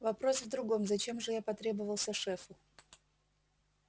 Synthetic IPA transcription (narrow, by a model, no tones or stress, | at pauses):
vɐpɾo̞svd̪ɾʊɡo̞mzɐt͡ɕe̞mʐɨjapɐt̪ɾʲe̞bəvəlˠsʲəʂɛfʊ